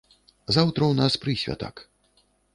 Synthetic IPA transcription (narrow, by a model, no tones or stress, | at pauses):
zawt̪ɾɐwnaspɾɨsʲvʲa̰t̪a̰k